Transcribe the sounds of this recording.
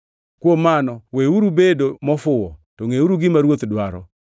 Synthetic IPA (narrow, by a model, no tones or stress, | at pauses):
kwomanɔweuɾubedomɔfʊwɔtoŋeuɾuɡɪmaɾwot̪dwaɾɔ̰